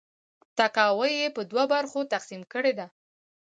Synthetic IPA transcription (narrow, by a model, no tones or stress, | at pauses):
t̪akɑwəjepəd̪wabaɾxot̪aqsimkəɽed̪a